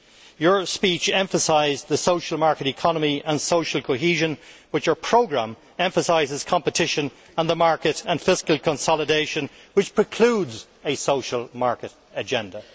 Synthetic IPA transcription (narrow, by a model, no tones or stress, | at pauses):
jə˞spit͡ʃɛ̃ɱfəsaɪzðəsoʊʃəlˠmaɹkəɾɨkʰɑnəmiə̃nsoʊʃəl̩ˠkʰoɦiʒə̃nwɨt͡ʃə˞pʰɹ̥oʊɡɹæ̃m | ɛ̃ɱfəsaɪzɨz̥kʰɑ̃mpətʰɪʃə̃n | ə̃nðəmaɹkɨɾə̃nfɪskəlˠkʰə̃nsɑlˠədeɪʃə̃n | wɨt͡ʃpʰɹ̥ɨkʰl̥udz | ɨsoʊʃəlˠmaɹkəɾ | əd͡ʒɛ̃ndə